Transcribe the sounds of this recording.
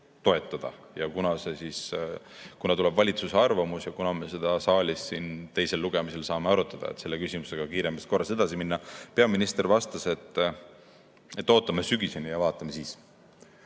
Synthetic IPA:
t̪o̞e̞t̪ːˑɑd̪̥ɑ̰ | jɑkunɑse̞sis | kunɑt̪ule̞bvɑlʲit̪suseɑrvɑmusjɑkunɑme̞se̞d̪̥ɑsɑːlʲisːiːnt̪e̞jse̞lːuɡ̥e̞mise̞lsɑːmeɑɾut̪ːˑɑd̪̥ɑ̰ḛt̪se̞lːe̞kysʲimuse̞ɡ̥ɑkiːɾe̞mːɑsko̞rːɑse̞d̪̥ɑsiminːɑpe̞ɑminist̪e̞rvɑst̪ɑse̞t̪ːˑ | et̪ːˑo̞ːt̪ˑːɑmesyɡ̥ise̞nijɑvɑːt̪ːˑɑme̞siːs

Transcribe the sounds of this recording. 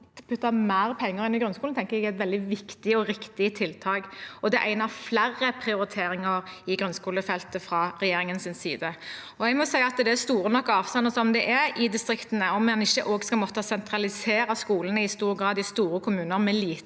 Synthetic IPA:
pʰʉt̪ːɑmæːɾpʰɛŋːəɾɛnɪɡɾʉnskult̪ʰɛŋkəɾɛɡæɪt̪ʋɛld̪ɪʋɪkt̪ɪəɔɾɪkt̪ɪət̪ʰɪlt̪ʰɑːɡɔd̪ɛʔæɪnəɾflærːəpʰɾɪʊɾɪt̪ʰeːɾɪŋəɾɪɡɾʉnskuːləfɛlt̪əfɾɑɾɛjeːɾɪŋənsɪnsḭːd̪ə | ɔɛɡmɔsæɪɑɑt̪d̪ɛæst̪uːɾənɔkːɑːʋst̪ɑnːəsɔmd̪ɛʔɛɪd̪ɪst̪ɾɪkt̪ənəɔmɛnɪʃːəʔoːɡskɑlmɔt̪ːəsɛnt̪ʰɾɑlɪseːɾɑskuːlənəɪst̪uːɾɡɾɑːd̪ɪst̪uːɾəkʰʊmʉːnəɾmɛliː

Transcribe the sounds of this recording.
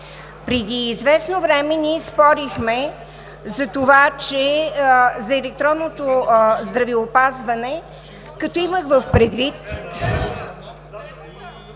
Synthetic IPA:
pɾɛd̪iːzvɛsnovɾɛmɛniɛspɔɾixmɛ | zɐt̪ovat͡ʃɛ | zɐɛlɛk̚t̪ɾɔnːot̪ozd̪ɾɐvɛopazvɐnɛ | kɐt̪ɔiməxvəfpɾɛd̪vit̪

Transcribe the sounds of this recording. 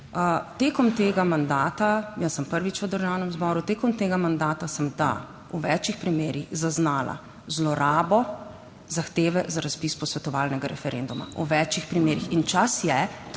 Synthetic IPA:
ət̪eːkɔmt̪eːɡamand̪aːt̪ajəsːəmpəɾʋit͡ʃʋəd̪əɾʒaːwnɛmzbɔːɾut̪eːkɔmt̪eːɡamand̪aːt̪asəmd̪a̰ | uʋɛt͡ʃixpɾimeːɾiɣzaznaːla̰ | zlɔɾaːbɔ | zaxt̪eːʋɛzaɾaspispɔsʋɛt̪ɔʋaːlnɛɡaɾɛfɛɾḛnd̪uma̰uʋɛt͡ʃixpɾimeːɾixint͡ʃasjɛ

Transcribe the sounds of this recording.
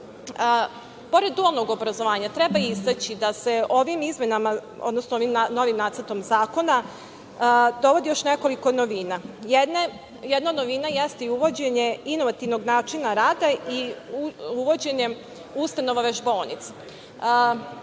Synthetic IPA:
po̞ɾed̪̚ːualˠnoɡo̞bɾazo̞ʋaːɲat̪ɾe̞baizt̪at͡ɕid̪ase̞o̞ʋimizmenamao̰d̪nosnooʋimno̞ʋimnaːt̪əɾt̪o̞mzaːko̞na | d̪o̞ʋo̞d̪ijo̞ʃne̞ko̞liko̞noʋiːnajen | jed̪nanoʋinajest̪iuʋo̞d͡ʑeɲe̞inoʋat̪iʋno̞ɡnaːt͡ʃinaɾaːd̪ai | uʋo̞d͡ʑe̞ɲe̞ | ust̪ano̞ʋaʋeʒbo̞ːlnḭt̪se

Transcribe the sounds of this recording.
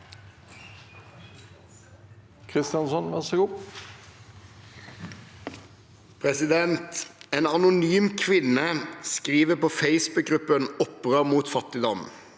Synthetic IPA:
kʰʁɪst̪ɪjɑnsɔnʋæsəɡʊp | pʰʁɛsɪd̪ɛnt̪eːnɑnʊnyːmkʰʋɪnəskʁiːʋəpoːfeɪsbʉk̚ɡʁʉpənɔpʁəmuːt̪fɑt̪ɪd̪ɔm

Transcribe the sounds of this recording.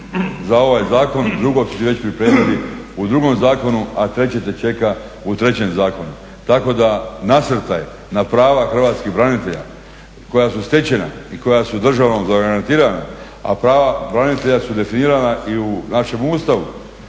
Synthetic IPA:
zao̞ʋaːjzaːko̞nd̪ɾuɡo̞su̥t̪iʋe̞t͡ɕpɾipɾeːmiliud̪ɾuɡo̞mzaːko̞nuat̪ɾe̞t͡ɕet̪et͡ʃe̞ka | ut̪ɾe̞t͡ɕe̞mzaːko̞nu | t̪ako̞d̪anasr̩t̪aj | napɾaːʋaxr̩ʋaːt̪skiɣbɾanit̪e̞ʎa̰ | ko̞jasust̪e̞t͡ɕe̞na̰iko̞jasud̪r̩ʒaʋno̞mzaɡaɾant̪iːɾana̰ | a̰pɾaːʋabɾanit̪e̞ʎasud̪e̞finiːɾanaʔiunaʃe̞muːst̪aʋu

